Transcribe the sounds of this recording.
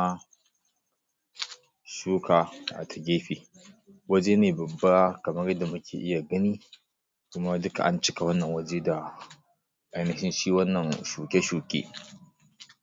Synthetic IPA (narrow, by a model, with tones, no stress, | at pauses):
a˦ | ʃuː˦ka˨ʔa̰˨tʰɐ̥˨ɡʲeː˦ɸiː˨ | wɐ˦d͡ʒe˦neː˨bɐ˨bːa˦kɐ˨mɐ˦rjɐ˦da˨mʊ˦kʲʰḛː˨ʔɪ˦ja˨ɡɐ˦niː˦ | kʊ˦ma˦dʊ˦ka̰˨ʔa˦nt͡ʃɪ˦ka˨wɐ˦nːɐ˨ŋwɐ˦d͡ʒe˦da˨ | ʔa˨jnɐ˨hɪ˦nʃiː˦wɐ˦nːɐ˨nʃuː˨kʲe˦ʃuː˨kʲḛː˦